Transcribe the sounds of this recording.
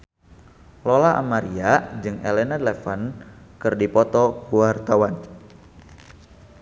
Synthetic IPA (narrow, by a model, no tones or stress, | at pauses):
lolaʔa̰maɾiad͡ʒɨŋelenad̪lɛfankɨrdipɔt̪ɔuwart̪awan